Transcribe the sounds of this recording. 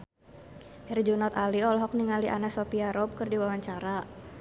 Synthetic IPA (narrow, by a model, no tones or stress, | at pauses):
hɛrd͡ʒunɔt̪aliɔlɔɦɔk̚niŋaliʔa̰naksopiaɾɔp̚kərdiwawaɲt͡ʃaɾa